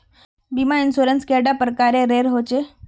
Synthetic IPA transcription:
bimainsoɾənskɛɖapɾəkaɾẽɾeɾɦot͡ɕe

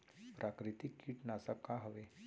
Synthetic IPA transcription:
pɾʔakɾit̪ikːiːʈnasakːaɦəʋe

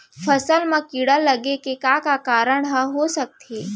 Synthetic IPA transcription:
fʰəsəlmɐ̃kiɽəlːəɡekekakakaːɾəɳɦəɦosək̚t̪eː

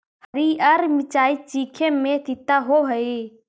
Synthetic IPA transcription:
həɾiːəɾmɪt͡ʃaːit͡ʃiːkʰẽmẽt̪it̪aɦoɦəe

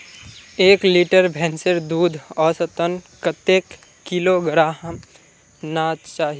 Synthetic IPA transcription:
eːkliːʈəɾbʱɛ̃ːnseɾd̪uːd̪ʱɔːsət̪ənkət̪eːkː | iloɡəɾaːɦəm | naːt͡ʃaːɦi

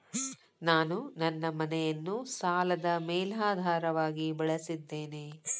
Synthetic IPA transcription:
naːnunɐnːɐmɐnɛjɐnːusaːlɐd̪ɐmɛːlaːd̪ʱaːɾɐʋaːɡibɐɭɐsid̪ːe̞ːne

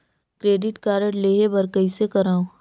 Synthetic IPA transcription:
kɾeːɖɪʈkaːɾəɽleːɦebɐɾkəisekɐɾaːõ

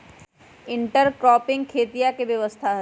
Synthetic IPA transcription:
ɪ̃ɳʈəɾkɾɔːpɪ̃ŋɡkʰːeːt̪ijakeʋjɐʋəst̪ʰaɦ

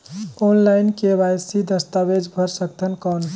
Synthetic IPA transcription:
onlajnkebajsid̪əst̪abed͡ʒbʱəɾsəkt̪ʰənkan

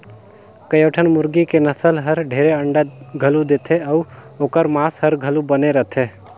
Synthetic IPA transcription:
kəjəːʈʰənmʊɾɡikenəsəlɦəɾɖʱeːɾeəɳɖaɡʱəlud̪eːt̪ʰeɔː | oːkəɾmaːshəɾɡʱəlubəneɾət̪ʰeː

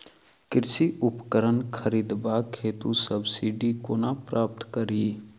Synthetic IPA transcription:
kɪɾsiʔʊpkəɾənkʰəɾiːd̪baːkʰeːt̪usəbsiːɖikoːnapɾaːp̚t̪kəɾiː

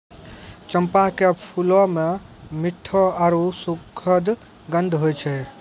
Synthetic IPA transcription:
t͡ʃəmpakepʰulɔmemiʈʰːɔaɾusukʰəd̪ | ɡənd̪ʱɦojt͡ʃʰɛ

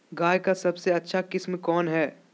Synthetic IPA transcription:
ɡaːjkasɐbseɐtːʃʰakɪsmkɔːnɦɛː

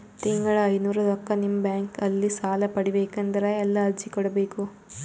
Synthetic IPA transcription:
t̪iŋɡɐɭɐɐjnuːɾɐlɔkːɐnimbjaːŋkɐlːisaːlɐpɐɽibeːkɐnd̪ɐɾɐɛlːɐɐɾd͡ʒikɔɽɐbeːku

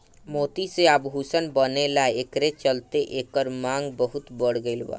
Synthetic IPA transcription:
moːt̪iseabɦuːsənbənelaekɾet͡ʃəlt̪eʔeːkɔɾmãːŋɡbəɦʊt̪bəɽ̤ɡəɪlwa̰ː

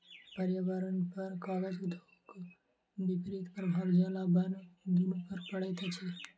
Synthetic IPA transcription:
pəɾjəʋaɾənpəɾkɔled͡ʒd̪ʱo | k | bipɾit̪pəɾbʱabd͡ʒalabənd̪inõpəɾpəɽɛt̪t͡ʃʰɛ

